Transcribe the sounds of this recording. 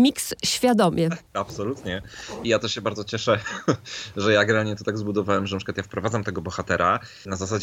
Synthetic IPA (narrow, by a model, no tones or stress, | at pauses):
mʲiksɕfʲjad̪ɔmʲjɛapsɔlut̪ɲɛijat̪ɔɕɛbaɾd̪ɔt͡ɕɛʂɛ | ʐɛjaɡɾɛalɲɛt̪ɔt̪aɡzbud̪ɔvawɛmʐɛnapʂɨkwat̪jafpɾɔvad̪zamt̪ɛɡɔbɔxat̪ɛɾʔa | nazasad͡ʑ